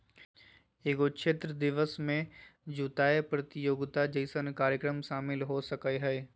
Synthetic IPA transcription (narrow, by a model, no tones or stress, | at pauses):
eːɡoʃʰet̪ɾəd̪ɪʋəsmẽd͡ʒuːt̪aːepɾɐt̪ɪjoːɡt̪ad͡ʒəɪsənkaːɾjəkɾəmʃaːmɪlɦosɐkəɦɛː